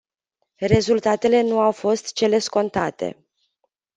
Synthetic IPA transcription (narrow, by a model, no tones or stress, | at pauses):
re̞zult̪at̪e̞le̞nuawfo̞st̪t͡ʃe̞le̞sko̞nt̪at̪e̞̰